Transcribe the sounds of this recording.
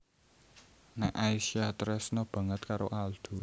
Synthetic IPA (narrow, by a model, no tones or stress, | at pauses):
nɛʔajsiat̪ɾɛsnɔb̥ä̤ŋət̪̚kaɾoʔald̪̥ṳ